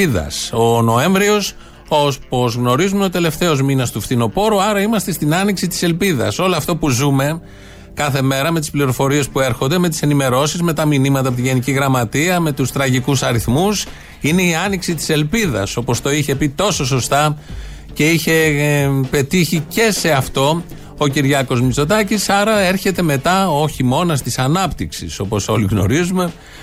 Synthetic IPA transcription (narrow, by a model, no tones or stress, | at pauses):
ðɐ̰so̞no̞e̞ɱvɾio̞s | o̞po̞zɣno̞ɾizumeo̞t̪e̞le̞ft̪e̞o̞zminɐst̪ufθino̞po̞ɾuɐɾɐimɐst̪e̞st̪inɐniksit̪i̥se̞lpiðɐ̰so̞loɐft̪o̞puzume̞ | kɐθe̞me̞ɾɐme̞t̪ispliɾo̞fo̞ɾie̞spue̞ɾxond̪e̞me̞t̪i̥se̞nime̞ɾo̞sizme̞t̪ɐminimɐt̪ɐpot̪iʝe̞niciɣɾɐmɐt̪iɐme̞t̪ust̪ɾɐʝikusɐɾiθmus | ine̞iɐniksit̪i̥se̞lpiðɐ̰so̞po̞st̪o̞içe̞pit̪o̞so̞s̬o̞st̪ɐ | ce̞içe̞pe̞t̪içice̞se̞ɐft̪o̞ | ociɾʝɐko̞zmist̪o̞t̪ɐcisɐɾɐe̞ɾçe̞t̪e̞me̞t̪ɐo̞çimo̞nɐst̪isɐnɐpt̪iksḭso̞po̞so̞liɣno̞̰ɾizume̞